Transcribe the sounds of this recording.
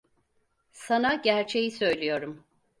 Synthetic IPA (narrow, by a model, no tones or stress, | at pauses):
sanaɟæɾt͡ʃʰe̞jisø̞jlʲijo̞ɾum